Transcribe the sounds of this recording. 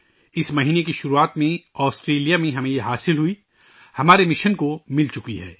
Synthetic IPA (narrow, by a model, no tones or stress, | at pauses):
ɪsmɐɦiːnekiʃʊɾuaːt̪mẽɔːsʈɾeːlijamẽɦɐmẽjeɦaːsɪlɦui | hɐmaːɾemɪʃənkomɪlt͡ʃʊkiɦɛ̰ː